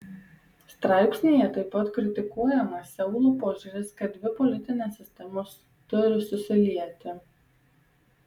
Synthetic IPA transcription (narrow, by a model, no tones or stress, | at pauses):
st̪ɾɑˑɪpʲsʲnʲejɛt̪ɐɪpːɐt̪kɾʲɪt̪ʲɪkuɔjɛmɐsʲɛʊlˠuːpoːʒʲʊɾʲɪskɐt̪̚d̪ʲʋʲɪpɔlʲɪt̪ʲɪnʲesʲːɪsʲt̪ʲɛmoːs | t̪ʊɾʲɪsʊsʲɪlʲiɛt̪ʲɪ